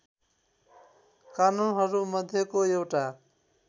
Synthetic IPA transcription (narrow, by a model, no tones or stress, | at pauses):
kanunɦʌɾumʌd̪ʱjʌkoewʈa